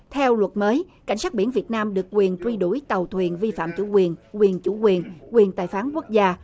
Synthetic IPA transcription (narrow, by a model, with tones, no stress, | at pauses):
t̪ʰɛ˧wlwə˨˩t̚məː˨˦j | ka̰˧˩ŋsaː˦˥t̚ɓḭ˧˩ənvi˨˩ət̚naː˧mɗɨ˨˩ək̚ːkwi˨˩ənt͡ɕ̪wi˧ɗu˧˩jt̪ə˨˩wt̪ʰwi˨˩ənvi˧fa̰ː˧˨mt͡ɕṵ˧˩kwi˨˩ənkwi˨˩ənt͡ɕu˧˩kwi˨˩ənkwi˨˩ənt̪aː˨˩jfaː˨˦nku˦˥ək̚zaː˧